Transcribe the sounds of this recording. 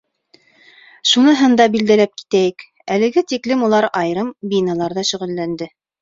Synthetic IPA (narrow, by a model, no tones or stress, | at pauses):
ʃunɤɦɤnd̪ɑbild̪ælæp̚ki̥t̪æjɘk | ælɘ̆ɡɘt̪iklɘmulˠɑɾɑjɾɤmbinɑlˠɑɾðɑʃɵ̆ʁɘ̆lːænd̪ɘ